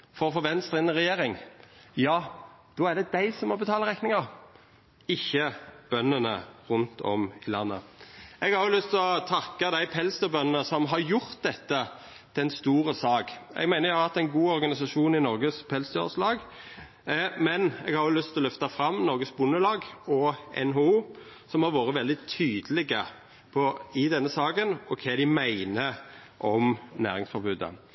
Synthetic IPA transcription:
fɔɾɔfɔʋɛnst̪əʁɪnəʁɛjeːɾɪŋjɑːd̪̥oːædɖ̪ɛd̪æɪsɔmːɔbət̪ʰɑːləʁɛnɪŋɑ | ɪçːəb̥œnːənə̰ʁʊnt̪ʰɔ̰mɪlɑ̰nːə̰ɛɡhɑɾlʏst̪ʰlɔt̪ʰɑkːɑd̪æɪpʰɛlst̪əbœnənəsɔmɦɑɾjʊɾt̪̚d̪ɛt̪ːə | d̪̥ɛnst̪uːɾəsɑːkɛ̰ɡmæɪnəjæhɑɾhɑt̪ːæɪnɡuːɔɾɡɑnɪsɑʃuːnɪnɔɾɡəspʰɛlst̪əø̰ʁslɑːɡ | mɛnɛɡhɑɾʊlʏst̪ʰɪlɔlʏft̪ɑfɾɑmːnɔɾɡəsbʊnːəlɑːɡɔɛ̰nɦouː | sɔmhɑɾʋoːɾəʋɛld̪ɪt̪ʰyːd̪əlɪɡə | pʰɔɪd̪ɛnːəsɑːkənɔkʰɛːd̪ɪmæɪnəɾ | ʔɔmnæ̰ːɾɪŋsfɔɾbʉːd̪ə̰

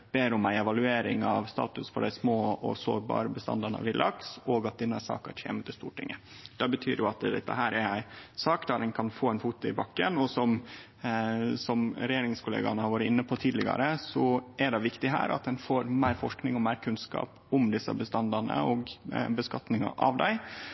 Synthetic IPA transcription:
b̥eːɾʊmæɪɛʋɑlʉeːɾɪŋɑʋst̪ɑ̰ːt̪ʉsfɔɖæɪsmoːɔ̰so̰ːɾbɑ̰ːɾəbəst̪ɑ̰nd̪ɑɳə̰ʋɪlʔɑ̰ksoːɡɑt̪̚d̪ɪnːəsɑ̰ːkɑtʰḛːmət̪ʰɪst̪ṵːʈʰɪ̰ŋːə | d̪̥ɑbət̪ʰy̰ːɾjʊɑt̪d̪ɛt̪ːə̰ɦæːɾɛɾæɪsɑːkd̪ɑɾɛnkʰɑnfoːɛnfuːt̪ʊɪbɑkːənɔsɔm | sɔmɾɛjeːɾɪŋskʊlḛːɡɑnəhɑɾʋɑːɾət̪ɪnːəpʰɔt̪ʰiːd̪lɪɡɑ̰ɾəsɔæɖɛʋɪkt̪ɪɦæ̰ːɾɑ̰t̪̚d̪ɛnfoːɾmæɪɾfɔʂknɪŋɔmæɪɾkʰʉnskɑ̰ːp | ʊmd̪ɪsə̰bəst̪ɑnd̪ɑnə̰ɔːɡbəskɑt̪nɪŋɑ̰ʔɑʋd̪æɪ

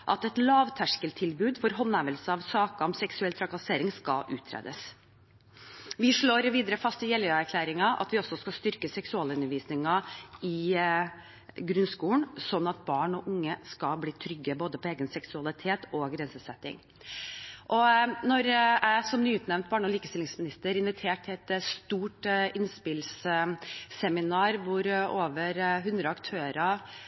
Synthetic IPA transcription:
ʔɑt̪ɛt̪lɑːʋt̪ʰæʂkəlt̪ʰɪlbʉːd̪fɔɾɦɔnːæːʋəlsəɑʋsɑːkɑɔmsɛksʉɛlt̪ʰɾɑkɑseːɾɪŋskɑ̰ʔʉːt̪ʰːɾḛːd̪əs | ʋɪʂɭoːɾʋiːd̪əɾəfɑst̪ɪjɛlːəæɾkʰlæːɾɪŋɑʔɑ̰t̪ʋɪɔsɔskɑst̪ʏɾkəsɛksʉɑːləʉnːəɾʋiːsnɪŋɑɪ | ɡɾʉnskuːlnsɔnːɑt̪̚bɑːɳɔʔʊŋːəskɑbliːt̪ʰɾʏɡːəboːd̪əpʰɔeːɡənsɛksʉɑlɪt̪ʰeːt̪ɔɡɾɛnsəsɛt̪ːɪ̰ŋ | ʔɔnɔɾæɪsɔmnyːʉːt̪nɛʋnt̪̚bɑːɳɔliːkəst̪ɪlɪŋsmɪnɪst̪əɾɪnʋɪt̪ʰeːʈːʰɪɛt̪st̪uːʈʔɪnspɪlsː | ɛmɪnɑːɾʋʊɾoːʋəɾɦʉnd̪ɾəɑkt̪ʰøːɾɑ

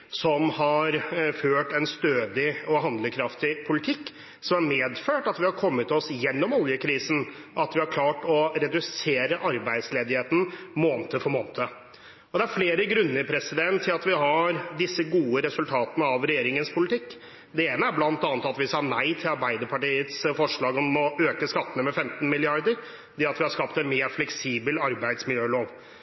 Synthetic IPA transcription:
sɔmhɑɾføːʈɛnst̪øːd̪ɪɔɦɑnd̪ləkʰɾɑft̪ɪpʰʊlɪt̪ʰɪkː | sɔmæɾmeːd̪føːʈɑt̪ʋɪhɑɾkʰɔmːət̪ʰɔsjɛnːɔmɔljəkʰɾiːsnʔɑt̪ʋɪhɑɾkʰlɑːʈɔɾɛd̪ʉseːɾəʔɑɾbæɪd̪sleːd̪ɪheːt̪n̩moːnt̪əfɔɾmoːnt̪ʰə | ɔd̪ɛæɾfleːɾəɡɾʉnːəɾpʰɾɛsɪd̪ɛnt̪ʰːɪlɑt̪ʋɪɦɑɾd̪ɪsːəɡuːəɾɛsʉlt̪ʰɑːt̪ənəɑʋɾɛjeːɾɪŋənspʰʊlɪt̪ʰɪkː | d̪ɛeːnəæɾblɑnət̪ɑːnət̪ɑt̪ʋɪsɑnæɪt̪ʰɪlɑɾbæɪd̪əpʰɑʈiːət̪sfɔʂɭɑːɡɔmːɔøːkəskɑt̪ːənəmɛfɛmt̪n̩mɪlɪɑɾd̪əɾ | d̪ɛɑt̪ʋɪhɑɾʂkɑpt̪ɛnmeːɾflɛksiːbəlɑɾbæɪd̪smɪljøːloːʋ

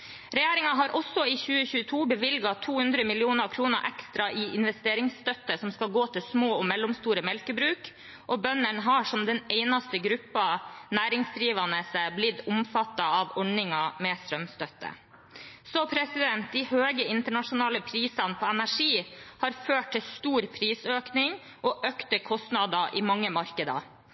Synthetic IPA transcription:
ɾɛjeːɾɪŋɑɦɑɾʔɔsɔiːçʉːəçʉːət̪ʰuːbəʋɪlɡɑt̪ʰuːhʉnd̪ɾəmɪlɪuːnəɾkʰɾuːnəɾʔɛkst̪ɾɑʔiːɪnʋɛst̪eːɾɪŋst̪œt̪ːəsɔmskɑlɡoːt̪ʰɪlsmoːɔmɛlːʊmst̪uːɾəmɛlkəbɾʉːk | ʔɔbœnːəɳɦɑːʂɔmd̪ɛneɪnɑst̪əɡɾʉpːɑnæːɾɪŋsd̪ɾiːʋɑnəsəblɪd̪ʊmfɑt̪ːɑɑʋɔɳɪŋɑmɛst̪ɾœmst̪œt̪ːə̰ | sɔpʰɾɛsɪd̪ɛnt̪̚d̪ɪhøːɡəɪnt̪əɳɑʂʊnɑːləpʰɾiːsɑnəpʰɔɛnæʂiːhɑɾføːʈ̚t̪ʰːɪlst̪uːɾpʰɾiːsøːknɪŋ | ʔɔʔøːkt̪əkʰɔst̪nɑd̪ɑʔɪmɑŋːəmɑɾkəd̪ɑ̰

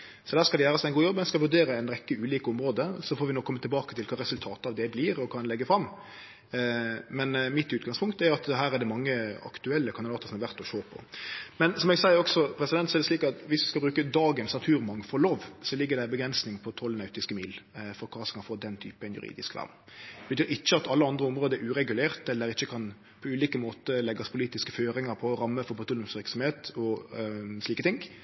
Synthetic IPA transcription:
sɔd̪æːɾskɑld̪ɛjæːʁəsmɛɪnɡuːjɔbːɛskɑlʋʉɖ̪eːɾəɛɪnɾɛkːəʉːliːkəʊmɾoːd̪əsɔfoːɾʋɪnoːkʰːɔmːət̪ɪlbɑːkə̥t̪ʰɪlkʰɑːɾɛsʉlt̪ʰɑːt̪əɑʋd̪ɛblɪɾɔkʰɑnlɛɡːəfɾɑmː | mɛnmɪt̪ʉːt̪ɡɑŋspʰʊŋk̚t̪ɛjʊɑt̪ɦæːɾɛd̪ɛmɑŋːəɑ̰kt̪ʉɛlːəkʰɑnd̪ɪd̪ɑːt̪əsɔmɑʋæʁt̪ɔʃoːpʰɔ̰mɛnsɔmɛɡsæɪəɾɔksɔpʰɾɛsɪd̪ɛnt̪sɔɛdɛsliːkɑt̪ʋɪsʋɪskɑbɾʉːkəd̪ɑːɡənsnɑt̪ʰʉːɾmɑŋːəfɔɾloːʋsɔlɪɡːəɾd̪ɛbəɡɾɛnsnɪŋpʰɔt̪ʰɔlnɑʉt̪ɪskəmiːlfɔɾkʰɑːsɛkɑnfoːd̪ɛnt̪ʰy̰ːpəɛnjʉ̰ɾḭːd̪ɪ̰skʋæ̰ʁd̪ | bət̪ʰyːɾɪçːəɑt̪ɑlːəɑnd̪ɾəʊmʁoːd̪əɛɾʉːɾɛɡʉleːʁt̪ɛlːəɾɪçːəkʰɑn | pʰɔʉːliːkəmoːt̪əlɛɡɑspʰʊliːt̪ɪskəføːɾɪŋɑɾpʰɔɾɑmːəfɔɾpʰʊt̪ulʊmsʋɪɾksɑm̩heːt̪ɔ | sliːkət̪ʰɪŋ

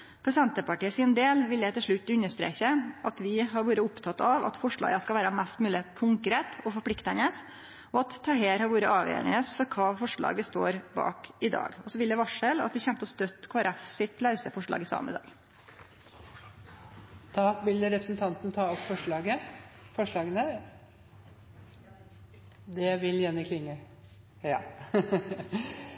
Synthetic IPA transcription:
pʰɾɛsɛnt̪əpɑʈiːəsɪnd̪eːlʋɪld̪æɪt̪ɪlʂɭʉt̪ːʉnːəʂt̪ɾḛːçəʔɑt̪ʋɪɦɑɾʋuːɾəʊpt̪ʰɑt̪ːɑʋɑ̰t̪fɔʂɭɑ̰ːɡəskɑlʋæːɾəmæst̪mʉːləkʰʊŋkɾeːt̪ɔfɔɾpʰɽɪkt̪ənəs | ɔɑt̪ʰːɑɦeːɾhɑɾʋuːɾəʔɑːʋjø̰ːɾə̰nəsfɔɾkʰɑːfɔʂɭɑ̰ːɡəst̪o̰ːɾbɑ̰ːkɪd̪ɑ̰ːɡɔsɔʋɪld̪ɛʋɑʂəlɑ̰t̪ʋɪçɛmt̪əɔst̪œt̪kʰoːæɾɛfsɪt̪lɑʉsəfɔʂɭɑ̰ːɡɪsɑ̰ːmə̰d̪ɑ̰ːɡ | t̪ʰɑːʋɪləɾɛpɾəsn̩t̪ʰɑnt̪n̩t̪ʰɑːɔpfɔʂɭɑːɡəfɔʂɭɑːɡənə | d̪ɛʋɪljænəkʰlɪŋːə | jɑː

